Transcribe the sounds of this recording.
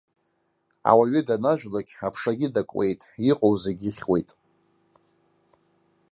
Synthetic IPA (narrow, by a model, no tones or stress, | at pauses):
a̰waɥɪdanaʒᶣlaɡʲapʰʂaɡʲɪdakʷʼwe̞̰jtʼiqʼowzeɡʲiχʲwe̞jtʼ